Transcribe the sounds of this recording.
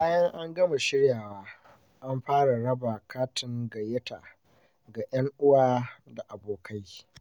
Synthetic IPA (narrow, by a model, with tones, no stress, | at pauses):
baː˦jɐ˦ŋʔa˦ŋɡɐ˦ma˨ʃɪ˦ɽjaː˨waː˦ | ʔa˦mɸaː˦ɽa˨ɽɐ˦ba˨kʰaː˦tɪ˨ŋɡɐ˨jɐ˦ta̰˨ | ɡa˨j̰ɐ˦ŋʔʊ˦waː˦da˨ʔa˨boː˨ka˦j